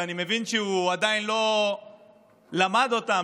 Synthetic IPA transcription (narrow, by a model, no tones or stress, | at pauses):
animevint͡ʃiuad̪ajnlo | lamad̪ot̪a